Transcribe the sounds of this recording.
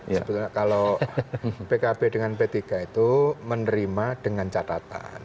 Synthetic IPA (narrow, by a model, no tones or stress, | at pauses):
səbət̪uɲakalo | pekabedəŋanpet̪ikait̪umənəɾimad̥əŋant͡ʃat̪at̪a̰n